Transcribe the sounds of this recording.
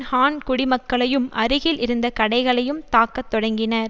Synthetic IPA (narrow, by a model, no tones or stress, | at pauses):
haːnkʊɽɪmɐkːɐɭɐjɯmʔɐɾɯɣɪlɪɾɯnd̪ɐkɐɽɐɪɣɐɭɐjɯmt̪aːkːɐt̪ːɔɽɐŋɡɪnɐɾ